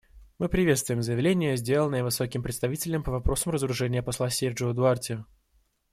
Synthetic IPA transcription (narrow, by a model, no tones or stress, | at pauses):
mɨpɾʲɪvʲet̪st̪vʊjɪmzəjɪvlʲenʲɪjəzʲdʲe̞lˠənəjəvɨso̞kʲɪmpɾʲɪt̪st̪ɐvʲitʲɪlʲəmpəvɐpɾo̞səmrəzəɾʊʐɛnʲɪjəpɐslˠasʲerʐɨəd̪ʊartʲɪ